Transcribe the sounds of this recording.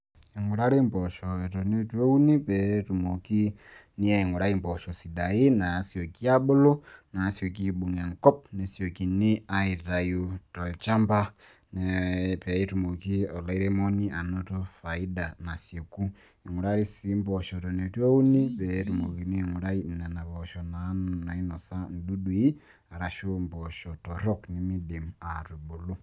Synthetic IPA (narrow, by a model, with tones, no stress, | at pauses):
i˨ŋɡu˨ɾa˦ɾi˦mbɔ˨ʃɔ˨tɔ˨nɛ˦two˦u˦ni˦pɛtu˨mo˨ki˦ni˦ai˨ŋɡu˨ɾa˦i˦m˨pɔ˨ʃɔ˨si˨ɗa˨i˦na˨si˨o˨ki˦a˦ɓo˦lɔ˦na˨˦si˨o˨ki˦ɓu˨na˨ŋkɔ˦p̚nɛ˨si˨ɔ˨ki˨ni˦a˦i˨ɾa˨ju˨tɔ˨lt͡ʃa˦mba˦ | nɛpɛ˨˦tu˨mo˨ki˦ɔ˨la˦i˦ɾɛ˦mɔ˦ni˦ʔa˨nɔ˦tɔ˦fa˨i˦da˨na˨sje˨ku˦ | i˨ŋu˨ɾa˦ɾi˦si˦m˦bɔ˨ʃɔ˨tɔ˨nɛ˨to˦u˦ni˦pɛ˨˦tu˨mo˨ki˨ni˦˨ŋu˨ɾa˦i˦m̩˨na˨na˨βɔ˨ʃɔ˨na˨˦nna˨i˦nɔ˨sa˦n̩˨du˦ɗwi˦ | a˨ɾa˨ʃo˦m˨bɔ˨ʃɔ˨tɔ˨ɾɔ˦kni˨mi˦de˨ma˨tu˨bo˨lu˦